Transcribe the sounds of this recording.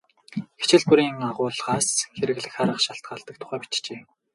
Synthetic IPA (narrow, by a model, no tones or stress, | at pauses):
ɡet͡ɕɪ̆ɮpuɾiːŋaʁʊːɮʁaːsxeɾɘ̆ɣɮɘ̆xχaɾə̆χʃaɬt̪̚ɢaːɮt̪ə̆kt̪ʰʊ̥χæːpi̥t͡ɕt͡ɕeː